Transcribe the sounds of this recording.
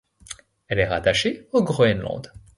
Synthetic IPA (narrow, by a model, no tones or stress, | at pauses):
ɛlɛʁat̪aʃeoɡʁoɛnlɑ̰̃d̪